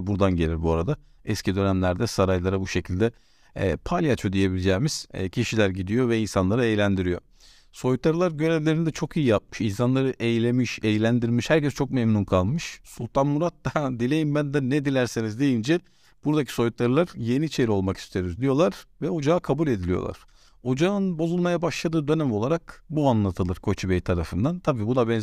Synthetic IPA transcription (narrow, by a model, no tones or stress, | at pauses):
buɾd̪anɟe̞lʲiɾbuaɾad̪a | ɛscʰid̪ø̞næmlʲæɾd̪ɛsaɾajlˠaɾabuʃe̞cʰilʲd̪ɛ̰ː | pʰalʲjat͡ʃʰod̪ije̞bilʲd͡ʒɛːmiz̥cʰiʃilʲæɾɟid̪ijo̞vɛinsanlˠaɾɯejlʲænd̪iɾijo̞̰ | so̞jut̪ːaɾɯlˠaɾɟø̞ɾevlʲe̞ɾinid̪ɛt͡ʃʰo̞kʰijijap̚mɯʃinsanlˠaɾɯʔe̞jlʲe̞miʃejlʲænd̪iɾmiʃhæɾcɛst͡ʃʰo̞k̚memnunkʰalˠmɯʃsulʲˠt̪ʰanmuɾat̪d̪ad̪ilʲe̞jimbænd̪ɛnɛd̪ilʲæɾsenizd̪e̞jind͡ʒɛ | b̥uɾd̪acʰi̥so̞jut̪ʰːaɾɯlˠaɾje̞nit͡ʃʰe̞ɾio̞lˠmaki̥st̪ʰejɾizd̪ijo̞lˠaɾ̥vɛo̞d͡ʒaːkʰabulʲe̞d̪ilʲijo̞̰lˠa̰ɾ̥ | o̞d͡ʒaɯnbo̞zulˠmajabaʃlˠad̪ɯːd̪ø̞næmo̞lˠaɾakbuanlˠat̪ʰɯlˠɯɾkʰo̞t͡ʃʰibejit̪ʰaɾafɯnd̪ant̪ʰabiːbud̪abɛn